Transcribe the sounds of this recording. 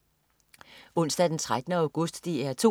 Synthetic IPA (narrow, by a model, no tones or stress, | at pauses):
ɔ̽n̰sd̥æd̥ent͡sʰʁad̥ənəæʊɡ̥ɔ̽sd̥ːiæɐt͡sʰo̝